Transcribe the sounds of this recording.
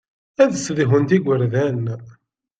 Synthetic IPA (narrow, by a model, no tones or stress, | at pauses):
æðsðiɦənt̪iɡʷəɾðæn